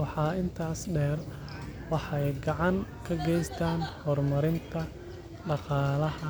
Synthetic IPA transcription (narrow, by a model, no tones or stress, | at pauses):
ɑħɑːɪnt̪ʰaːsɖɛːr | wɑħɑɛjɡɑʕɑŋkʰɐɡɛjst̪ʰaːnhɔːrmɐɾɪnt̪ʰɐ | ɖɑqɑːlɐhɐ